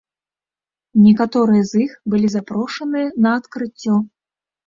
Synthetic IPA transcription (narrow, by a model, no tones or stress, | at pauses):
nʲɛkat̪ɔɾɨjɐzixbɨlʲizapɾɔʂɐnɨjɐnɐːt̪kɾɨt͡sʲːɔ